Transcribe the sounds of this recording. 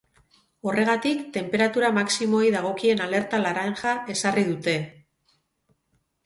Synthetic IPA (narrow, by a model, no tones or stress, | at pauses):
o̞re̞ɣ̞at̪ikt̪e̞mpe̞ɾat̪uɾamaksimo̞jðaɣ̞o̞kie̞nale̞ɾt̪alaɾaŋʝae̞sariðut̪e̞